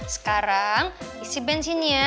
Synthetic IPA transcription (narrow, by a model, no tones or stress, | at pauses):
sə̥kaɾaŋisibɛnsinia